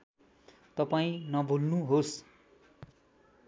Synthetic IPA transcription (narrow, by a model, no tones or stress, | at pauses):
t̪ʌpaĩnʌbʱulnuɦos